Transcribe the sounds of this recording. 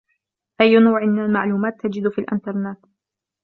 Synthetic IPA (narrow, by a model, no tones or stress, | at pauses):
ʔajːʊnawʕɪmɪnalmaʕluːmaːt̪ːad͡ʒɪd̪fiːlʔɪ̰nt̪ɑɾˤnaːt̪